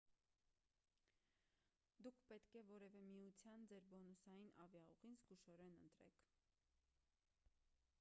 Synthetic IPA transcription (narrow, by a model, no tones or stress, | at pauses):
d̪ukʰpɛt̪kɛvɔɾɛvɛmiut͡sʰjɑnd͡zɛɾbɔnusɑjinɑvjɑɔʁinzɡuʃɔɾɛnənt̪ɾɛ̰kʰ